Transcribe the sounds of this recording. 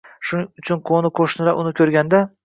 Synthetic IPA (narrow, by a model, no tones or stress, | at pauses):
ʃʊnʊt͡ʃʰʊnqʰonɪqʰoʃnɪɾaʔʊnɪkʲʰɵɾɡʲand̪a